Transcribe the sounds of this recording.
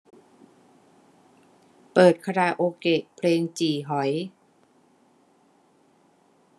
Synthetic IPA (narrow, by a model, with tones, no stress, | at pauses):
pɤː˨˩t̪̚kʰa˧ɾaː˧˩ʔoː˧ke˨˩ʔpʰleː˧ŋt͡ɕiː˨˩ɦɔ˩˦j